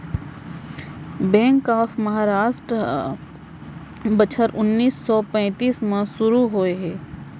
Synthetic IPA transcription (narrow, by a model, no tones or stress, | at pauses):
bɛ̃ːŋkaːfmɐɦaːɾaːʃʈɾə | bət͡ʃʰəɾʔʊnːiːsːɔːpɛ̃ːt̪iːsmẽsʊɾuɦoeɦɛː